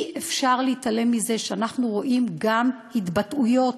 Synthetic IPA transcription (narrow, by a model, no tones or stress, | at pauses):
ʔefʃaʁleitale̞mːize̞ʃeanaχnuʁo̞ʔimɡamhitbatujo̞t